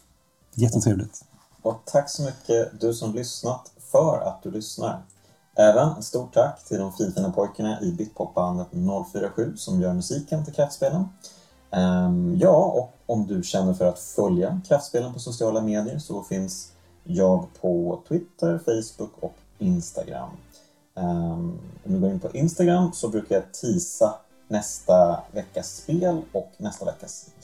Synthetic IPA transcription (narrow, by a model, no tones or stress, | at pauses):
jɛt̪ʰːət̪ʰɾeːvlɪ̰ɡ̚t̪ | ɔt̪ʰakːsɔmʏkʰːəd̪ɵsɔmlʏsnat̪ | fœɾa̰t̪̚d̪ɵlʏsna̰ɾ | ʔɛːvənst̪uːʈʰːakːt̪ʰɪld̪ɔmfɾiːnt̪ənəpʰɔjkaɳaʔɪbɪt̪̚pʰɔp̚ːband̪ət̪nɔlːfyːɾaɧʉ̟ːsɔmjœːɾmɵsiːkənt̪ʰɪlkʰɾaft̪speːlən | jɑːɔkɔmd̪ɵɕɛnːəɾfœɾat̪fœljakʰɾaft̪speːlənpʰɔsʊs̬ɪɑːlameːd̪ɪəɾsɔfɪns | jɑːɡpʰɔt̪ʰwɪt̪ːəɾfɛjsbʊkːɔ̰k | ɪnst̪a̰ɡɾa̰mː | ɔmd̪ɵɡoːɾɪnpʰɔʔɪnst̪aɡɾamːsɔbɾʉ̟ːkaɾjat̪ʰiːsa | nɛst̪avɛkːaspeːlɔknɛst̪avɛ̰kːas